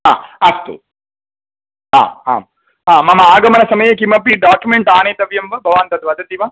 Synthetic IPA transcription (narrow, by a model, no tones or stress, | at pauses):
ɦa̰ːɐst̪ṵ | ɦa̰ːɦa̰ːm | ɦaːmɐmɐaːɡɐmɐnɐsɐmɐjekimɐpiɖaːkjumeɳʈaːneːt̪ɐʋjɐmʋɐbʱɐʋaːnt̪ɐt̪ʋɐd̪ʱɐt̪iʋa